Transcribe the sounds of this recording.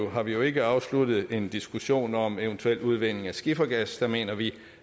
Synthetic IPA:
ʊɦɑ̈ʋijo̝e̝ɡ̥əɑ̈ʊslud̥ð̞̩ˠe̝nd̥isɡ̥uɕo̝̰ːnɒ̽meənt͡sʰuel̰uð̞ˠʋen̰e̝ŋæsɡ̥ifɐɡ̥æsd̥ɑ̈me̝̰ːnɐʋi

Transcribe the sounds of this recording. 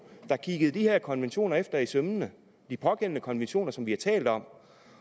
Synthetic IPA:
d̥ɑ̈kʰiɡ̥əð̞̩ˠd̥iheɐ̰kʰɒ̽nʋenɕo̝̰ːnɐefd̥ɐisømnə | d̥ipʰɒ̽ɡ̥en̰nəkʰɒ̽nʋenɕo̝̰ːnɐsɒ̽mʋihɑ̈t͡sʰɛ̰ːld̥ɒ̽m̰

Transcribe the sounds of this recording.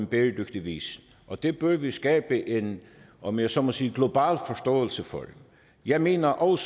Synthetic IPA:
enb̥eːd̥øɡ̥d̥iʋḭːs | ʔɒd̪̥eb̥øʋisɡ̥ɛːb̥əʔen | ʔɒmjæsɔmɔsiːɡ̥lo̝bɑ̰̈ːlfɒsd̥ɔ̰ːəl̩səfɔ̰d | jɑɪme̝̰ːnɐʔɒʊs

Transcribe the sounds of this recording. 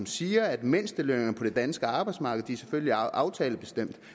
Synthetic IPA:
msiːɐæd̥men̰sd̥əløŋɐpʰɒ̽d̥e̝d̥ænsɡ̥əɑ̈ːb̥ɑ̈ɪdsmɑ̈ːɡ̥əð̩ˠd̥iæɐsefølliɑ̈ʊt͡sʰɛːləb̥e̝sd̥em̰d̥

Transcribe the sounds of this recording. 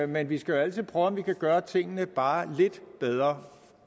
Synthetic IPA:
menʋisɡ̥æjo̝æl̰t͡sʰið̞̰ˠpʰʁœːʊɒmʋikʰæɡ̥ɶːɐt͡sʰe̝ŋ̰ənəb̥ɑ̈ːle̝d̥b̥eð̞ˠʁɐ

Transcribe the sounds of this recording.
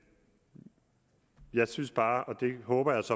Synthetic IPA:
jɑ̈ɪsynsb̥ɑ̈ːɒ̽d̥e̝ɦɔ̽ːb̥ɐjɑ̈ɪsɒ̽

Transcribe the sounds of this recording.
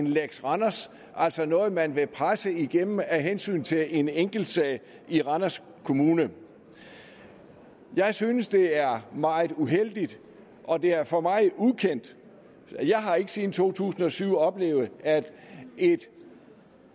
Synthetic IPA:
nleɡ̥sʁɑnɐs | ʔæl̰sɒ̽nɔ̽ːð̩ˠmænʋe̝pʰʁasəiɡ̥emm̩æɦensy̰ːnt͡sʰe̝le̝neŋ̰ɡ̥l̩d̥sɛ̰ːɪ | iʁɑnɐs | kʰo̝muːnə | jɑ̈ɪsyːnəsd̥e̝æɐmɑ̈ːɪð̩ˠuɦel̰d̥id̥ | ʔɒ̽de̝æɐfɒ̽mɑ̈ɪukʰen̰d̥ | jɑ̈ɪɦɑ̈e̝ɡ̥ə̥siːn̩t͡sʰo̝̰ːt͡sʰṵːsn̩ɒ̽syʊ̰ɒ̽b̥le̝̰ːʊð̩ˠæd̥e̝d̥

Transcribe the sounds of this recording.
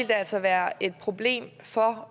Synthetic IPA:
ld̥eæl̰sɒʋæːɐʔe̝d̥̚pʰʁo̝b̥le̝̰ːm | fɒ̽

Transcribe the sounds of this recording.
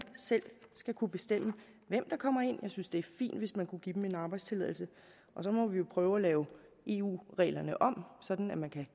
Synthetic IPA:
sel̰sɡ̥ækʰub̥e̝sd̥em̰ə | ʋem̰d̥ɑ̈kʰɒ̽m̰ɐe̝n̰jɑ̈ɪsynsd̥e̝æɐfḭːnd̥ʋe̝smænkʰuɡ̥id̥m̩e̝nɑ̈ːb̥ɑɪdst͡sʰe̝lɛ̰ð̰ˠl̩sə | ʔɒ̽sɒ̽mɒ̽ʋijo̝pʰʁœːʊælɛːʊ | e̝ṵːʁɛ̰ːlɐnəʔɒ̽msɒ̽d̥n̩æmænkʰæ

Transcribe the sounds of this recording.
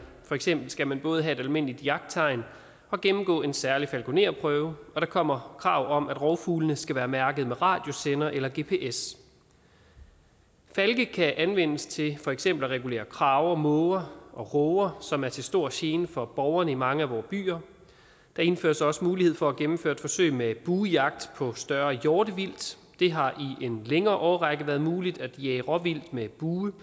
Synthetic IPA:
fɒ̽eɡ̥sem̰b̥l̩sɡ̥æmænb̥ɔ̽ːð̞̩ˠɦæe̝d̥ælme̝n̰lid̥iɑ̈ɡ̥d̥̚t͡sʰɑ̈ɪn | ɒ̽ɡ̥emm̩ɡ̥ɔ̰̽ːe̝nsæɐlifælɡ̥o̝ne̝̰ɐpʰʁœːʊəɒ̽ɾ̥ɑ̈kʰɒ̽m̰ɐkʰʁɑ̈ʊ̰ɒ̽mʔæd̥ʁɒʊfuːlnəsɡ̥æʋæːɐmæɐɡ̥əð̩ˠmeʁɑ̰̈ːd̥jo̝senɐʔelɐɡ̥e̝ːpʰe̝ːʔes | fælɡ̥əkʰæʔænʋen̰əst͡sʰe̝fɒ̽eɡ̥sem̰b̥l̩ʁɛɡule̝̰ːɐkʰʁɑ̈ːʊɐmɔʊɐʔɒ̽ʁɔːɐsɒ̽mæɐt͡sʰe̝sd̥o̝ɐ̰ɕe̝ːnəfɒ̽b̥ɒʊɐnəimɑ̈ŋəæʋɒːb̥y̰ːɐ | d̥ɑ̈e̝nfø̰ːɐsɒ̽səmuːlihe̝ð̞̰ˠfɒ̽æɡ̥emm̩føːɐ̰d̥fɒ̽sø̰ɪmeb̥uːjɑ̈ɡ̥̚d̥pʰɒ̽sd̥ɶɐjɒːd̥əʋil̰d̥ | d̥e̝ɦɑ̈ʔiʔe̝nleŋɐːʔɒːɐʁɑɡ̥əʋæːɐðˠmuːlid̥æd̥jɛːɪʁɒ̽ʋil̰d̥meb̥uː

